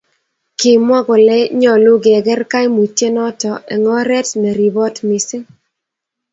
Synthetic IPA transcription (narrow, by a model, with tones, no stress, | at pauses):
kɪ˨mwa˦ɡɔ˨lɛ˦ɲɔ˨lʊ˦ɡɪ˨ɛ˨ɡɛ˦rka˦jmu˨te˦nɔ˦tɔ˨ɛ̰˨ŋɔ˦ɾɛ˦tmɛ˨ɾi˨bɔ˦tmi˨sɪ˦